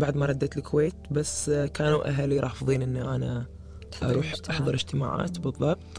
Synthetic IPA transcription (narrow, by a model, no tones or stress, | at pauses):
baʕd̪maɾˤɑd̪ːat̪lɪkʰweːt̪basːkaːnuʔa̰ɦaːliɾˤɑːfðˤiːnʔɪnːiʔana | ʔɑ̰ɾˤuːħʔɑħðˤɨɾɪd͡ʒt̪ɪma̰ːʕa̰ːt̪bɨðˤːɑb̚t̪ˤ